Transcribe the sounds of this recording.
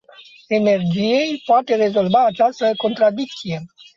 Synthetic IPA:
e̞ne̞rd͡ʒije̞jpoat̪e̞re̞zo̞lvaːt͡ʃast̪əko̞nt̪ɾad̪ik̚t̪sije̞

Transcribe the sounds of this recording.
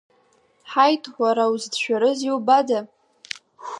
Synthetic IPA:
ħajtʼħʷaɾawuzdʃʷᶣaɾɨziwbada

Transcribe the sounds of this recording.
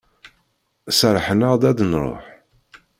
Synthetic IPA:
səɾˤħnəʁd̪æd̪nɾˤo̰ħ

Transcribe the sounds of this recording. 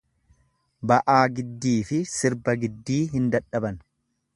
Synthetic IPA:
bɐʔaːɡɪd̪ːiːfɪsɪɾbɐɡɪd̪ːiːɦɪnd̪ɐᶑɐbɐn

